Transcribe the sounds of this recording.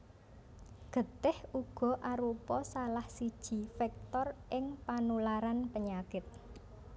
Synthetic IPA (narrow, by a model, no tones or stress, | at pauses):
ɡ̥ə̤t̪ɪhuɡ̥ɔ̤ʔaɾupɔsalahsid̥ʒ̥i̤fɛk̚t̪ɔrʔɪŋpanulaɾanpəɲakɪt̪̚